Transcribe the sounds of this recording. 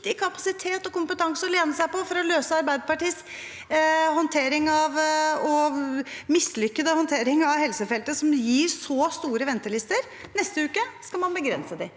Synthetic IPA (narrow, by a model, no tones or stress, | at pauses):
t̪ɪkʰɑpɑsɪt̪ʰeːt̪ɔkʊmpət̪ʰɑŋsəɔleːnəsæɪpɔfɔɾɔløːsəɑɾbæɪd̪əpɑʈiːs | hɔnt̪ʰeːɾɪŋɑʋɔ | mɪslʏkːəd̪əhɔnt̪ʰeːɾɪŋɑʋhɛlsəfɛlt̪əsɔmjiːɾsɔst̪uːɾəʋɛnt̪əlɪst̪əɾ | nɛst̪əʉːkəskɑlmɑnbəɡɾɛ̰nsəd̪ɪ